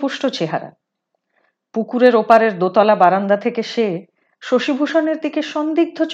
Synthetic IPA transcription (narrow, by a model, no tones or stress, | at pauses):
puʃʈot͡ɕeɦa̰ɾa̰ | pukuɾeɾopaɾeɾd̪ot̪ɔlabaɾand̪at̪ʰekeʃe | ʃoʃibʱuʃoneɾd̪ikeʃond̪iɡ̚d̪ʱot͡ɕ